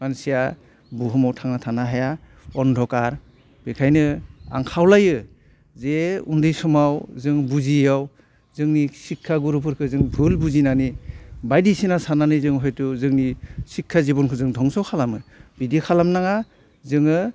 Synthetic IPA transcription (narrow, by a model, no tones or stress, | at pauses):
mansija | buɦɯmawtʰaŋnatʰanaɦaja | ɔndʱɔkaɾ | b̥ekʰajnɯa̰ŋkʰawlajɯ | zeṵndɯjsɔmawzɯŋbuzijaw | zɯŋnisikʰːaɡuɾupʰɯɾkʰɯzɯŋbʱɯlbuzinanibajdisinasananɯzɯŋɦɔjtuzɯŋnisikʰːazibɔnkʰɯzɯŋdʱɔŋsɔwkʰalamɯb̥idikʰalamnaŋa | zɯŋɯ